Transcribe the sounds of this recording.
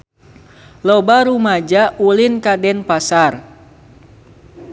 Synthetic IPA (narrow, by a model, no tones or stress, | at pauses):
lɔbaɾumad͡ʒaʔulinkadɛnpasar